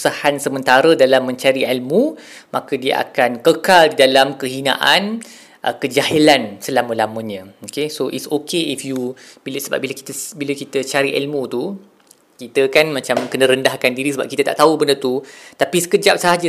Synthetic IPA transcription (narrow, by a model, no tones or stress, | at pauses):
sahansəmə̃nt̪aɾədalamːə̃ɲt͡ʃaɾiɛlmũ | makədiə̰ʔa̰kankəkaldidalamkəɦinã̰ʔan | ʔəkəd͡ʒaɦilansəlaməlamənɲə̃okesoʔisokeifjubiləsəba̰p̚bilaki̥t̪əbiləkit̪ət͡ʃaɾiʔɛ̰lmũt̪u | kit̪əkanmãt͡ʃamkənəɾəndahkandiɾisəba̰p̚kit̪ət̪a̰ʔt̪aubəndət̪ut̪apisə̥kəd͡ʒap̚səɦad͡ʒa